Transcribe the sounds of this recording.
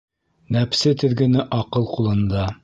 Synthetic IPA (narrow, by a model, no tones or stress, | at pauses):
næpsɘt̪ɘ̆ðɡɘ̆nɘʔɑqɤlˠqulˠɤ̆nd̪ɑ